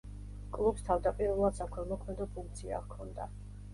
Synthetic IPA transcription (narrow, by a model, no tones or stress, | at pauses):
kʼlˠupst̪ʰavd̪apʼiɾvɛlˠad̪sakʰɛmɔkʰmɛd̪ɔpʰuŋk̚t̪sʰia̰kʰɔnd̪a̰